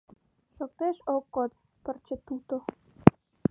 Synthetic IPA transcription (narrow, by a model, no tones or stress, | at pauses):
ʃok̚t̪eʃokːot̪ | pə̆rt͡ɕĕt̪ut̪o